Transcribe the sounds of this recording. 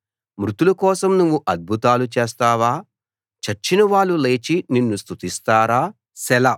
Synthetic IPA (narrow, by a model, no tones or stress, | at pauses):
mɾut̪ulɐkɔːsɐmnuʋːuʔɐd̪̚bʱut̪aːlut͡ʃeːs̬t̪aːʋaː | t͡ʃɐt͡ʃːinɐʋaːɭːule̞ːt͡ʃininːust̪ʰut̪ist̪aːɾaː | sɛlɐ